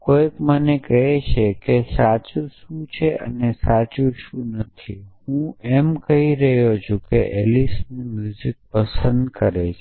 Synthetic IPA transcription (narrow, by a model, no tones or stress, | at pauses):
kojkmənekəɦet͡ʃʰekesat͡ʃuʃũt͡ʃʰeə̰nesat͡ʃuʃũnət̪ʰihũɛmkəɦiɾəɦjod͡ʒʰokeʔelisnimjuzɪk̚pəsə̃nd̪kəɾet͡ʃʰ